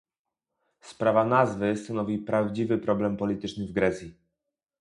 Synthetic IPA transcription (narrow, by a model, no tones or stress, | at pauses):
spɾavanazvɘst̪anɔvʲipɾavd͡ʑivɘpɾɔblɛmpɔlʲit̪ɘt͡ʂnɘvɡɾɛt̪sʲji